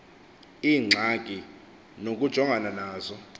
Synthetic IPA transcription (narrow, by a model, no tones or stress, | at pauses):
iːŋ͡ǀʱaɡ̥ʱʼi | nok̬ʼud̥ʒ̥ʱɔŋʱananaːzɔ